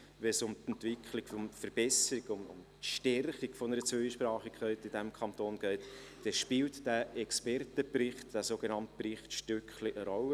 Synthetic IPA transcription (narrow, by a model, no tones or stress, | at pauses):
ʋɛsʊmt̪ɛnt̪vɪkχlɪɡfɔmfəɾb̥ɛsəɾiɡʊmʊ̰m | tʃtɛrχiɡ̥fɔnəɾət͡søʃpɾɑːχikːœɪtɪdæmkʰɑnt̪oːnɡ̥ɛɪt | d̥ɛʃpɪltd̥æɛkspɛrtəprɪχtd̥æsoɡ̥enɑnt̪prɪχtʃtʏkχliʔəɾɔlə